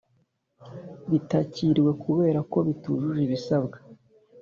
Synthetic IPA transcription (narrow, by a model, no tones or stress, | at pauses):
βitaciɾiwe̞kuβe̞ːɾako̞βituʒuʒiβisabɡa